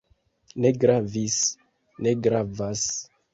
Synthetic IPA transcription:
neɡɾavis | neɡɾavas

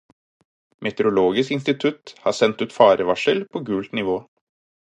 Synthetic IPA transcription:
mʔɛt̪ɛɾʊloːɡɪskɪnst̪ɪt̪ʰʉt̪hɑːsɛnt̪ʉːt̪fɑːɾəʋɑʂəlpʰoːɡʉːlt̪nɪʋoː

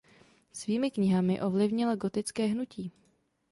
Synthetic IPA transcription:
sviːmɪkɲɪɦamɪʔo̞vlɪvɲɪlaɡo̞t̪ɪt͡skɛːɦnuciː

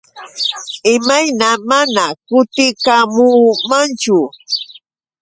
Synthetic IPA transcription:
ɪmajnamanakʊt̪ɪkamuːmant͡ʃʊ

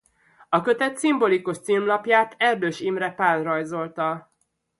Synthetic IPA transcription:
ɒkø̞t̪ɛt̪simbo̞likuʃt̪silmlɒpjaːt̪ʰɛrd̪øːʃimrɛpaːlrɒjzo̞lt̪ɒ

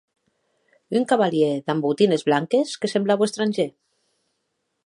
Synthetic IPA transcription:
yŋkaβalieðambut̪inezβlaŋkeskesemblaβwest̪ɾanʲʒe

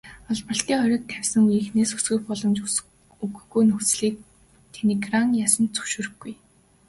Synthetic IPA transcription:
ɔɮpə̆ɬt̪iːŋχɔɾʲɞ̆ːk̚t̪ʰæwʲsə̆ŋujiːxneːsxu̥sɡɘ̆xpɔɮɞ̆mt͡ɕ | uɣɵ̆ɡujnɵxt͡sɮiːk̚ | t̪ʰeniɡraŋjasə̆nt͡sɵ̥wʃuːɾɘ̆xɡuj

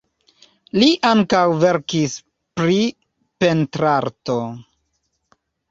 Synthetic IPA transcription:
liʔaŋkawve̞ɾkis | pɾi | pe̞ntɾaɾto

